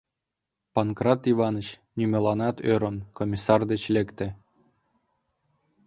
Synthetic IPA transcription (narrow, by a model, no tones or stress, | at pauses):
pɑnkrɑt̪ivɑnɤ̆t͡ɕnʲymʲelˠɑnɑt̪øɾŏnkomʲisɑrd̪et͡ɕlʲekt̪ɘ̆